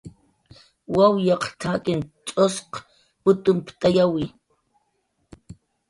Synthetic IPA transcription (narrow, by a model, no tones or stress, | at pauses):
wawjɑqt̪ʰakɪnt͡ʃʼosq | pʊt̪ʊmpt̪ajawɪ